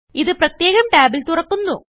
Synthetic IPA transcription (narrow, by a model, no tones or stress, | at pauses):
iðɨprɐt̪je̞ːɣɐmʈaːbilt̪urɐkːunːu